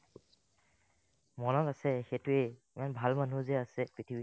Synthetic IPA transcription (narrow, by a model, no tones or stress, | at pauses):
mɔnɔtasɛxetʊɛimanbʱalmanuzɛasɛpɹitʰibi